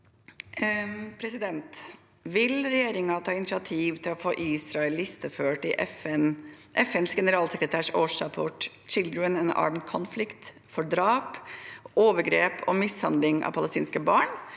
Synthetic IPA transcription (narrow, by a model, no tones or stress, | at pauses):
pʰɾɛsɪd̪ɛnt̪ | ʋɪlɾɛjeːɾɪŋɑt̪ʰɑːɪnɪt͡ʃɪɑt̪ʰiːʋt̪ʰɪlɔfoːʔiːsɾɑɛlɪst̪əføːʈɪʔɛfɛn | ʔɛfɛnsɡɛnəɾɑːlsɛkɾət̪ʰæːʂoːʂɾɑpʰoːʈ | t͡ʃɪld̪ɾənɛnɑ̰ːmənkʰɔnflɪkt̪ | fɔɖɾɑːpoːʋəɡɾeːpʰɔ̰mɪshɑnd̪lɪŋɑ̰pʰɑlɛst̪ḭːnskəbɑːɳ